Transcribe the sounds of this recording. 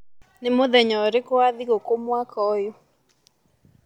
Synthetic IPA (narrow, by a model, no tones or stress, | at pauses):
nɪmoðɛɲɔɾɪkoaðiɣokomwakʰɔjo